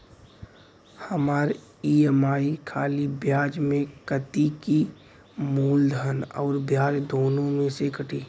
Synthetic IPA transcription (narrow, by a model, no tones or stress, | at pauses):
hɐmaːɾ | iːemaːikʰaːlibjaːd͡ʒmẽkət̪iki | muːld̪ʱənɔ̰ːɾbjaːd͡ʒd̪oːnõmẽsekəʈʰiː